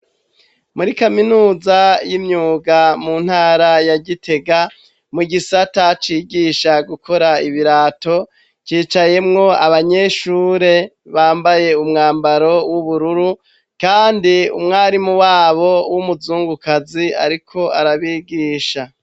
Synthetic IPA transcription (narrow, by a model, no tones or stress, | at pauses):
muɾikaminuːzajimɲuːɡamuːn̥haːɾajaɟitʰe̞ɡa | muɡisatat͡ʃiːɡiːʃaɡukʰo̞ɾaiβiɾaːto̞ | kiːt͡ʃaje̞mŋo̞aβaɲe̞ʃuːɾe̞ | βaːmbaje̞umŋaːmbaɾo̞wuβuɾuɾu | kaːndiṵmŋaːɾimuwaːβo̞wumuzuːŋɡukazia̰ɾikʰo̞aɾaβiːɡiːʃa